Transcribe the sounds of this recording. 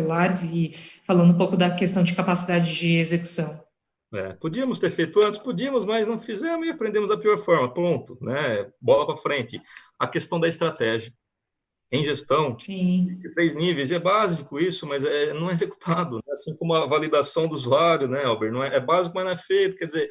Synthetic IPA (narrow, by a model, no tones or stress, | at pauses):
elaɾjʊzɪfalɐ̃nd̪ʊũpowkʊd̪ɐkest̪ɐ̃w̃d͡ʒɪkapasid̪ad͡ʒɪd͡ʒɪezeku̥sɐ̃w̃ | ɛ̰pod͡ʒiɐmʊst̪eɾfejt̪ʊɐ̃t͡ʃɪ̥spod͡ʒiɐmʊzmajznɐ̃w̃fizemʊzɪapɾẽnd̪ẽmʊzd̪ɐpiɔɾfɔɾmɐpɾõnt̪ʊnɛɛbɔlɐpɾɐfɾẽnt͡ʃɪ | ɐkest̪ɐ̃w̃d̪ɐɪst̪ɾat̪ɛʒiɐ | ẽj̃ʒest̪ɐ̃w̃ĩzit͡ʃ̪ɪt̪ɾejznivejzɛbazikʊisʊmɐzɛɛnɐ̃w̃ɛezeku̥t̪ʰad̪ʊnɛasĩkõmʊɐvalid̪asɐ̃w̃d̪ʊuzuaɾjʊnɛawbeɾnɐ̃w̃ɛʔɛbazikʊmɐznɐ̃ɛfejt̪ʊ̥kɛɾd͡ʒɪzeɾ